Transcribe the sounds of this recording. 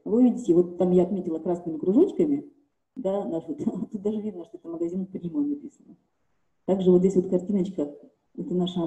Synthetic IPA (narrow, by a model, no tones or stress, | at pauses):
vɨvʲidʲɪtʲɪvo̞t̪ːamjaɐt̪mʲetʲɪlˠəkɾasnɨmʲɪkɾʊʐot͡ɕkəmʲɪ | d̪anaʂvot̪t̪ut̪̚d̪aʐɨvʲid̪nəʂt̪oɛt̪əməɡɐzʲinpɾʲimənɐpʲisənə | t̪aɡʐɨvot̪dʲesʲvo̞t̪̚kɐrtʲinət͡ɕkə | ɛt̪ənaʂə